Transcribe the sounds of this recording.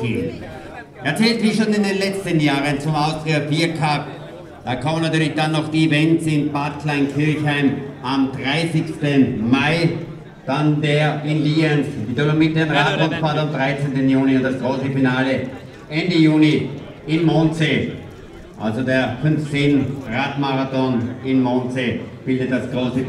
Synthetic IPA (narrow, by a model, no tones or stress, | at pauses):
iː | ʔeɐt͡sɛːltmiʃoːnɪndeːnlɛt͡stənjaːʁənt͡sʊmaʊsd̥ʁeɐfiːɐkʰap | d̥aːkʰɔmənatyːɐlɪçd̥anːɔχd̥iːvɛntsɪnbatklaɪnkʰɪɐçhaɪmʔamdʁaɪsɪçstənmaɪ | d̥andeːɐɪnliːɛnsɪtʁɪmɐmɪt̚d̥enʁaːtʁɔfaːtamd̥ʁaɪt͡sentənjuːniʊ̃ntd̥asɡ̥ʁoːsəfinaːlə | ʔɛndəjuːni | ɪnmonseː | ʔa̰lzodeːɐfʏnft͡senʁaːtmaʁatɔnɪnmonseːb̥ɪldət̚d̥asɡ̥ʁoːsə